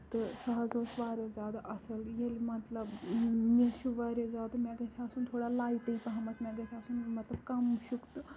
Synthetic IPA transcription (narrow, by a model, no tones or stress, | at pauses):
t̪əsʰəɦazosʋaɾed͡zad̪əsəljelmət̪ləbmeɕuʋaɾed͡zat̪maɡẽsaːsuːnt̪ʰoɽalajʈəipaɦamat̪maɡesaːsuːnmɐt̪lɐb̚kɐmɕukt̪